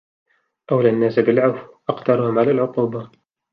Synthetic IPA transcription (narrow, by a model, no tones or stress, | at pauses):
ʔawlanːaːsabɪlʕafʔɑqt̪ɑɾˤʊhʊmʕalaːlʕʊq̪ˤuːba